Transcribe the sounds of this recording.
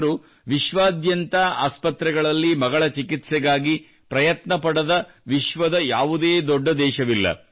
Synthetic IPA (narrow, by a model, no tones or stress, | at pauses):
ɾu | ʋiʃʋaːd̪jɐnt̪aaːspɐt̪ɾɛɡɐɭɐlːimɐɡɐɭɐt͡ʃikit̪sɛɡaːɡi | pɾɐjɐt̪nɐpɐɽɐd̪ɐ | ʋiʃʋɐd̪ɐjaːʋud̪eːd̪ɔɖːɐd̪ɛːʃɐʋilːɐ̰